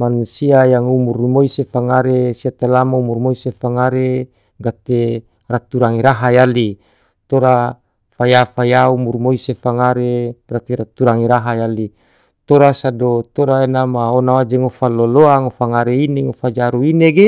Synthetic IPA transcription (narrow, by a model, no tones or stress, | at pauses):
manusiajaŋumurmoisefaŋaɾesiat̪alamaumurmoisefaŋaɾe | ɡat̪e | rat̪uɾaŋiɾaɦajali | t̪oɾa | fajafajaumurmoisefaŋaɾeɡat̪eɾat̪uɾaŋiɾaɦajali | t̪oɾasadot̪oɾaenamaonawad͡ʒeŋofaloloaŋofaŋaɾeineŋofad͡ʒaɾuineɡe